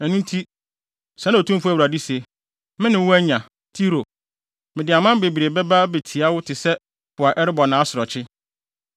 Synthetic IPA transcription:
ɛ˨nʊ̃˦n˦tʰi˦ | sã˨˦na˦˨tʰũ˦m˦fu˦æ˨wu˨ɾa˨di˦se˨ | mɪ̃˦nɪ̃˨wʊ˦æ˦ɲã˨ | tʰi˦ɾo˨ | mɪ̃˨dɪ˨a˨mã˦m˦be˨bi˨ɾe˨bɛ˦ba˦be˨tʰi˨a˦wʊ˦tʰɪ˨sɛ˦ | pʰʊ˨a˨ʔɛ˦ɾɪ˦bɔ˨nã˨˦sʊ˨ɾɔ˨t͡ɕʰɪ˦

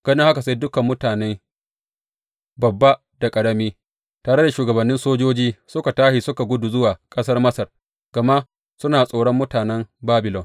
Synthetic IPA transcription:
ɡ̥ɐ˦nɪ˦ŋha˦ka˨s̬a˦jdʊ˦kɐ˨mːʊ˦taː˨ne˦ | bɐ˨bːa˦ | da˨kʼɐ˨ɽɐ˦miː˦ | taː˨ɽe˦da˨ʃuː˨ɡɐ˨bɐ˨nːɪ˦nsoː˦d͡ʒoː˦d͡ʒiː˦sʊ˦ka˨taː˦ʃi˨sʊ˦ka˨ɡʷʊ˦du˨zʊ˦waː˨kʼɐ˦sɐ˦rmɐ˦sɐ˨r | ɡ̥ɐ˨ma˦ʔ | sʊ˦naː˨sʼoː˨ɽɔ˦mːʊ˦taː˨nɛ˦mbaː˦bɪ˨lɔ˨n

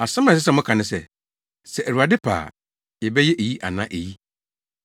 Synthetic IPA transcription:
a˨sã˦mã˨s̬ɪ˦sɛ˦˨mʊ̃˦kʰã˨nɪ̃˦sɛ˨ | sɛ˨ʔæ˨ɾu˨a˨dɪ˦pʰa̰ː˨ | jɛ˨bɛ˦jɛ˦ʔe˨ji˦ʔa̰˨nã˦ʔe˨ji˦

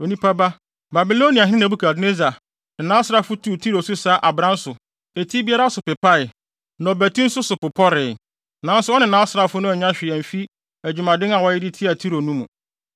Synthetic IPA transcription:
o˨nĩ˦pʰa˦ba˦ | ba˨bi˨lo˦nĩ˨a˨ɦɪ̃˦ɪ̃˦nã˨bu˦kʰa˨dne˦za˨ | nɪ̃˨nã˨˦sɾa˦fʊ˦tʰuː˦˨tʰi˦ɾo˨sʊ˦saː˨˦ʔa˨bɾã˦n̩˦sʊ˨ | e˨tʰi˦bi˦a˦ɾa˦sʊ˨pɪ˨pʰa˦ɪ˨ | nɔ̃˨bæ˨tʰĩ˦n̩˦sʊ˦sʊ˨pʊ˨pʰɔ˦ɾɪ˨ | nã˨n̩˦sʊ˦ɔ˦nɪ̃˨nã˨˦sɾa˦fʊ˦nʊ̃˦ɛ˨ɲã˦ɕᶣɪ˨æ̃˨m̩˨fi˦ | æ˨d͡ʑᶣu˨mã˨dɪ̃˦na˨wɔ˦jɪ˦dɪ˦tʰi˦a˨tʰi˦ɾo˨nũ˦mṵ̃˨

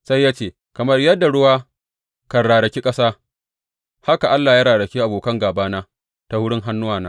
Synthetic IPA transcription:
sa˦jːaː˦t͡ʃeː˦˨ | kɐ˨mɐ˦rjɐ˦dːa˨ɽʊ˦waː˦ | kɐ˨nɽaː˨ɽɐ˨kʲi˦kʼɐ˦saː˦ | ha˦ka˨ʔa˦lːa˨jaː˦ɾaː˨ɽɐ˨kʲiː˦ʔa˨boː˨kɐ˦ŋɡaː˨baː˦naː˦ | ta˨wʊ˦ɽɪ˦ŋɦa˦nːʊ˦waː˨naː˦

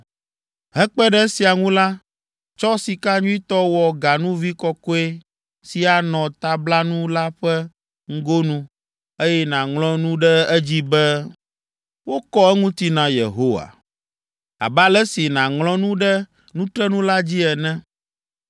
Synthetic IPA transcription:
ɦɛ˦k͡pɛ˦ɖɛ˦si˨a˨ŋũ˦la˦ | t͡ʃɔ˦si˨ka˦ɲũ˦i˦t̪ɔ˦wɔ˨ɡa˨nũ˦vi˦kɔ˦kɔ˦e˦ | si˨a˨nɔ̃˨t̪a˦bla˦nũ˦la˦ɸɛ˦ | ŋ̩˦ɡo˦nũ˦ | e˦jɛ˦nã˨ŋlɔ̃˦nũ˦ɖɛ˦ɛ˦d͡ʑi˦bɛ˦ | wo˦kɔ˦ɛ˦ŋũ˦t̪i˦nã˨jḛ˨ɦo˦wa̰˨ | a̰˨ba˦lɛ˦si˨nã˨ŋlɔ̃˦nũ˦ɖɛ˦ | nũ˦t̪ɾɛ˦nũ˦la˦d͡ʑi˦ɛ˨nɛ̃˦

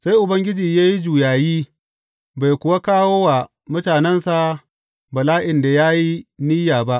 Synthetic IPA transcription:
sa˦jʔʊ˨bɐ˦ŋɡʲɪ˦d͡ʒiː˨jaː˦ji˦d͡ʒuː˨jaː˨jiː˦ | ba˨jkʷʊ˨wa˦kaː˦woː˦wa˨ | mʊ˦taː˨nɛ˦nsa˨ | bɐ˨laː˦ʔɪ˨nda˨jaː˦ji˦niː˦jaː˨ba˦ʔ

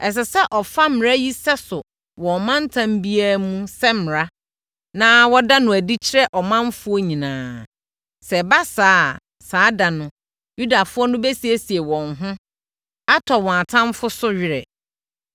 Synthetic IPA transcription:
ɛ˨s̬ɛ˨sɛ˦ʔɔ˨fa˦mɪ˨ɾa˦ji˦sɛ˦sʊ˨ | wɔ̃˨mã˦n̩˦tʰã˦m˦bi˦aː˦mũ˦sɛ˦mɪ˨ɾa˦ | nãː˦wɔ˦da˦nʊ̃˨æ˨di˦t͡ɕʰɪ˦ɾɛ˦ʔɔ˨mã˦m˦fʊ˦ɔ˦ɲĩ˨nãː˨ | sɛ˨ba˦saː˦ | saː˨˦da˨nʊ̃˨ | ju˦da˨fʊ˦ɔ˦nʊ̃˦be˦si˨e˦˨si˨e˨wɔ̃˨ŋɦʊ̃˦ | a˦tʰɔ˨wɔ̃˨a˨tʰã˦m˦fʊ˦sʊ˦ɥɪ˦˨ɾɛ̰˨

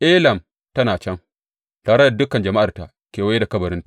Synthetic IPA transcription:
ʔe˦lɐ˨m | tɐ˦naː˨t͡ʃɐ˦ŋ | taː˨ɾa˦da˨dʊ˦kːɐ˨nd͡ʒɐ˨ma˦ʔa˨ta̰˨ | kʲeː˨wa˦da˨kɐ˦bɐ˨ɾɪ˦nta˨

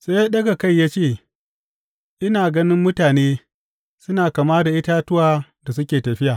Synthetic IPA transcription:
seː˦jaː˦ɗɐ˦ɡa˨ka˦˨jːaː˦t͡ʃeː˦˨ | ʔɪ˦naː˨ɡɐ˦nɪ˦mːʊ˦taː˨neː˦ | sʊ˦naː˨kaː˨maː˦da˨ʔɪ˦taː˦tʊ˦waː˦da˨s̬ʊ˦kʲeː˨tɐ˨ɸɪ˦jaː˨

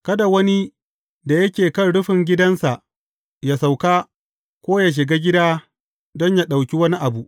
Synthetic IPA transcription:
kɐ˦da˨wɐ˦ni˦ | da˨jɐ˦kʲeː˨kɐ˦nɽʊ˦ɸɪ˨ŋɡʲɪ˦dɐ˦nsa˨ʔ | jaː˦sa˨wkaː˦ | kʷoː˦ja˦ʃ̬ɪ˨ɡaː˦ɡʲɪ˦daː˦ | dɔ˦ɲja˦ɗa˨wkʲi˦wɐ˦ni˦ʔa˨bu˦ʔ

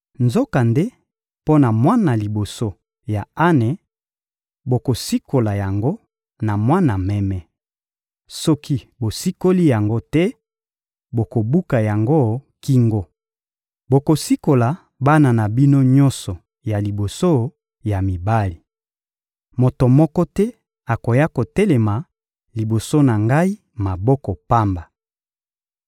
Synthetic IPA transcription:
nzo˦ka˨nde˦ | po˦na˨mwa˦na˨li˨bo˨so˦ | ja˨a˦nɛ˨ | bo˨ko˨si˦ko˨la˨ja˨ŋɡo˦ | na˨mwa˦na˨mɛ˦mɛ˦ | sɔ˦ki˦bo˨si˦ko˦li˦ja˨ŋɡo˦tɛ˦ | bo˨ko˨bu˦ka˨ja˨ŋɡo˦ki˦ŋɡo˦ | bo˨ko˨si˦ko˨la˨ | ba˦na˨na˨bi˦no˦ɲɔ˦nsɔ˨ | ja˨li˨bo˨so˦ | ja˨mi˨ba˦li˨ | mo˨to˨mɔ˦kɔ˦tɛ˦ | a˨ko˨ja˦ko˨tɛ˦le˨ma˨ | li˨bo˨so˦na˨ŋɡa˦i˦ | ma˨bɔ˦kɔ˨pa˦mba˨

